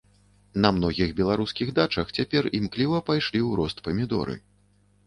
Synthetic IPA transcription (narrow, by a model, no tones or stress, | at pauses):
nɐmnɔɣʲiɣbʲɛlˠaɾuskʲiɣd̪at͡ʂɐxt͡sʲapʲɛrimklʲivɐpajʂlʲiwɾɔst̪pɐmʲid̪ɔ̰ɾɨ̰